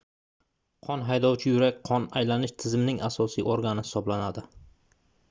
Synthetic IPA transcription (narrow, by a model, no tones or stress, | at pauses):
qʰɒnɦajd̪ɒwt͡ʃʰɪjʊɾakʲqʰɒnajlanɪʃt̪ʰɪzɪmnɪŋasɒsḭːʔoɾɡanɪhɪ̥sɒblanad̪ɪ